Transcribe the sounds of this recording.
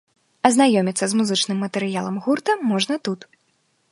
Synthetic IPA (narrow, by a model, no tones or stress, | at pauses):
ɐznajɔmʲit̪sːɐzmuzɨt͡ʂnɨmːɐt̪ɛɾɨjalˠɐmɣurt̪ɐmɔʐnɐt̪ut̪